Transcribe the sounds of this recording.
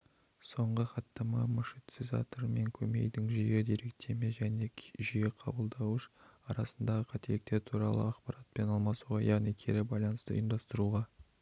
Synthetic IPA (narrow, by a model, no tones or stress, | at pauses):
so̞ɴʁəχɑt̪ːɑmɑmʏʃet̪sɪzɑ̰t̪əɾme̞ŋkʲʰɵme̞̰jd̪ɪŋʒʏjed̪eɾe̞k̚t̪ʰe̞meʒæne̞ʒijeqʰɑ̰bəlˠd̪ɑwəʃɑɾɑsənd̪ɑʁəqʰɑt̪ʰelɪk̚t̪e̞ɾt̪ʰuɾɑ̰lˠə̰ɑqpɑɾat̪̚pe̞nɑlˠmɑsuʁɑjɑʁnikʲʰeɾɪbɑjlˠɑnəst̪ə̰ənd̪ɑst̪əɾuʁɑ